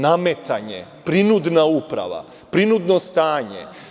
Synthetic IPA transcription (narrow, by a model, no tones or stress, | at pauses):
namet̪aɲḛpɾinud̪naupɾa̰ʋa̰ | pɾinud̪nost̪aːɲḛ